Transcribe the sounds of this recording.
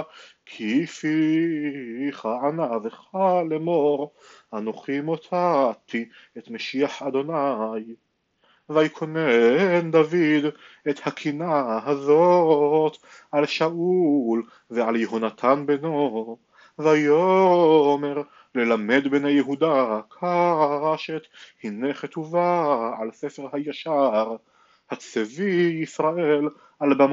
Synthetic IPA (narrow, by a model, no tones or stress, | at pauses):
kʰifi | χaʕanaveχalemoʁhanoχimot̪ʰat̪ʰi | et̪meʃiaħad̪o̞naj | vajikʰo̞nend̪avid̪ | et̪hakʰinaɦazot̪ | alʃaʔul | vealjeɦonat̪ʰanbeno | vajo | me̞ʁ | le̞lame̞d̪benejeɦud̪akʰaʁaʃet̪hineχet̪uvaalsefeʁhajaʃaʁ | hat͡seviisʁaʔel | albam